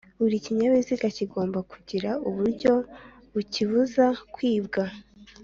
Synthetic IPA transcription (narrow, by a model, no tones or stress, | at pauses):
uɾiciɲaβiziɡaciɡo̞ːmbakuɟiɾauβuɾɟo̞ | βuciβuzakwiːbɡa